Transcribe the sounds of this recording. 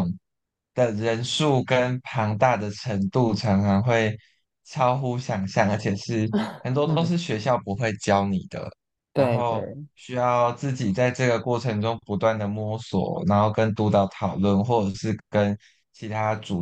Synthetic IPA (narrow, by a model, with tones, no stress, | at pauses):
ŋ | d̪̥ə˨ɻə˧˦˥nʂu˥˨˩kə˦npʰɑ˧˥ŋt̪a˥˩d̪ə˨˩ʈ͡ʂʰə˧˦˥ŋt̪u˥˨ʈ͡ʂʰɑ˧˥ŋfa˧˥ŋxwe˥˩ɪ | t͡sʰɑ˥ʊxu˦ɕjɑ˨˩ŋɕjɑ˥˨˩ŋə˧˥t͡ɕʰjɛ˨˩ʂɻ̩˥˩hə˨˩nt̪wɔ˥t̪ɔ˥ʊʂ̬ɻ̩˥˩ɕɥɛ˧ɕjɑ˥˩ʊpu˧˦xwe˥˩ɪt͡ɕjɑ˥ʊni˨˩d̪̥ə̰˩ | na˦˧ŋxo˥˧ʊɕy˥jɑ˥˧ʊʊt͡sɹ̩˥˩t͡ɕi˨˩t͡sa˥˧ɪʈ͡ʂɤ˥˩ɡə˩kwɔ˥˩ʈ͡ʂʰə˧˥ŋʈ͡ʂʊ˥ŋpu˧˥t̪wa˥˩nd̪ə˩mwɔ˥swɔ̰˨˩na˧˥nxo˥˩ʊkə˦nt̪u˧˥t̪ɑ˥˩ʊt̪ʰɑ˨˩ʊlwə˥˨nxwɔ˥˩ʈ͡ʂə˨˩ʂɻ̩˥˩kə˦n | t͡ɕʰi˧˥t̪ʰa˥ʈ͡ʂu˨˩